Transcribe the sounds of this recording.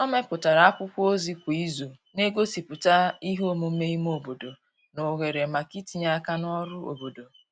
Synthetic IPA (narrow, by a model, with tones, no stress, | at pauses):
nɔ˦me˦pʊ˨ta˨ɾa˨a˦kʷʊ˦kʷo˦zi˦kʷu˨i˦zo˨ | ne˦ɡo˦si˨pʊ˨ta˦i˦ɦo˦mu˨m̩˦me˦i˦m˦o˨bo˨do˨ | no˨ɣe˨ɾe˨ma˨ki˦ti˨ɲa˦a˦ka˦nɔ˦ɾʊ˦o̰˨bo˨do˨